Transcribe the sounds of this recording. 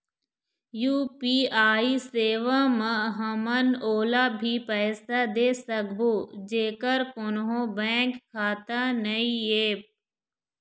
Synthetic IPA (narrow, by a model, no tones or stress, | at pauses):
juːpiːaːiseːʋaməɦɐmənoːlabʱipɛːsad̪eːsəkboːd͡ʒeːkəɾkʊnɦõbɛ̃ːkʰːaːt̪anɐieːp̚